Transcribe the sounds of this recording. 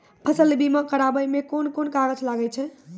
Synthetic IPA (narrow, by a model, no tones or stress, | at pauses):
pʰəsəlbimakəɾabəjmekonkonkaɾəd͡ʒʰlaɡət͡ʃʰɛ